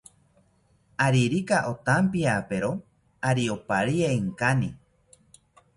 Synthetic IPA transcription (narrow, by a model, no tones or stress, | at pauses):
aɾiɾikaʔot̪ampiapeɾo | aɾiopaɾieiŋkani